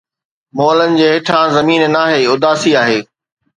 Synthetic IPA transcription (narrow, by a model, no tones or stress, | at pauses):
moːlənɪ̆d͡ʑeːɦɪʈʰãzɐmiːnnaːɦeːʊd̪aːsiaːɦeː